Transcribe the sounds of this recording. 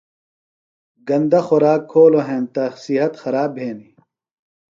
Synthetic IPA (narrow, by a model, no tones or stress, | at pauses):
ɡɐnd̪ɐxoɾaːkʰːoːloɦẽːnt̪ɐsiɦɐt̪xɐɾaːbʱeːni